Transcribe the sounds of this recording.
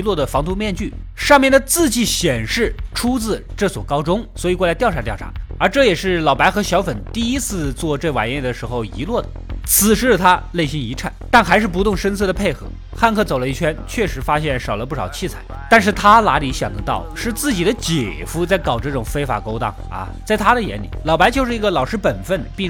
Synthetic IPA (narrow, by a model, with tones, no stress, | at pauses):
lwɔ˥˩d̪ə˩fɑ˧˥ŋt̪ʰu˥mjɛ˥˧nt͡ɕy˥˩ʂɑ˥˧ŋmjɛ˥˩nd̪ə˩t͡sɹ̩˥˧t͡ɕi˥˩ɕjɛ˨˩nʂɻ̩˥˩ʈ͡ʂʰu˥t͡sɹ̩˥˧ʈ͡ʂɤ˥˩swɔ˨˩kɑ˥ʊʈ͡ʂʊ˥ŋswɔ˧˥i˨kwɔ˥˧˩la˥t̪jɑ˥˧a˧˥˩t̪jɑ˥˩ʊʈ͡ʂʰa̰˧˥ə˞˧˥ʈ͡ʂɤ˥˩jɛ˨˩ʂɻ̩˥˩lɑ˨˩ʊpa˧˥ɪxɤ˧˥ɕjɑ˧˥ʊfə˨˩nt̪i˥˧i˥t͡sʰɹ̩˥˧t͡swɔ˥˧ʈ͡ʂɤ˥˧wa̰˨˩njɛ˥˩d̪ə˩ʂɻ̩˧˥xo˧ʊḭ˧˥lwɔ˥˩d̪ə˩t͡sʰɹ̩˨˩ʂɻ̩˧˥˩t̪ʰa˥le˥˩ɪɕi˥ni˧˥ʈ͡ʂʰa̰˥˩˦nt̪a˥˩nxa˧˥ɪʂ̬ɻ̩˥˩p̬u˧t̪ʊ˥˩˧ŋʂə˥nt͡sʰɤ˥˩d̪ə˩pʰe˥˩ɪxɤ̰˧˥ | xa˥˧nkʰɤ˥˩t͡so˨˩ʊlə˦i˥˩t͡ɕʰɥɛ˥nt͡ɕʰɥɛ˥˩ʂɻ̩˧˥fa˥ɕjɛ˥˩nʂɑ˨˩ʊlə˦p̬u˥˩ʂɑ˨˩ʊt͡ɕʰi˥˩t͡sʰa˨˩˦ɪt̪a˥˧nʂ̬ɻ̩˥˩t̪ʰa˥la̰˧˥li˧˥ɕjɑ̰˨˩ŋd̪ə˦t̪ɑ˥˧ʊʂɻ̩˥˧t͡sɹ̩˥˩t͡ɕi˨˩d̪ə˦t͡ɕjɛ˨˩fu˧˥t͡sa˥˩ɪkɑ˨˩ʊʈ͡ʂɤ˥˩ʈ͡ʂʊ˨˩ŋfe˥ɪfa̰˨˩ko˥ʊt̪ɑ̰˥˩ŋɐ̰˧˩t͡sa˥˩ɪt̪ʰa˥d̪ə˨jɛ̰˧˥nlḭ˨˩˦lɑ˨˩ʊpa˧˥ɪt͡ɕjo˥˧ʊʂɻ̩˥˩i˧˥ɡə˧lɑ˨˩ʊʂɻ̩˥pə˨˩nfə˥˩n˩pi˥˧